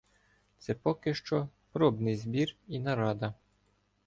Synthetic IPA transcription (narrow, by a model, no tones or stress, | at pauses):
t̪sɛpɔkɪʃt͡ʃɔpɾɔbnɪjzbʲirinɐɾɑd̪ɐ